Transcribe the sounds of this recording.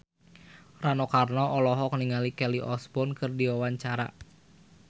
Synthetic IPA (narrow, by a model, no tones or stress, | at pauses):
ranɔkarnɔʔɔlɔɦɔkəniŋalikɛliʔɔsbɔnkɨrdiwawaɲt͡ʃaɾa̰